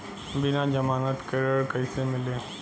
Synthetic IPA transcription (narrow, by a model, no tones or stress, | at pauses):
bɪnãd͡ʒɐmaːnət̪kəɾəɾkɐsemɪleː